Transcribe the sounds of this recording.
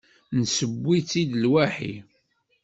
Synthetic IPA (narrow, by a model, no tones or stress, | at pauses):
nsəbʷːit͡sːid̪lwæħḭ